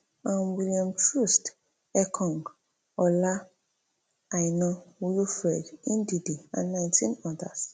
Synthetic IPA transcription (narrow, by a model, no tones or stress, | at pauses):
ãnwiliãmtɾust | ɛkʰɔ̃ŋɡ | ɔla | ajnɔ̃wujufɾɛdĩndidiã̰nːãɪ̃ntʰĩnɔda̰s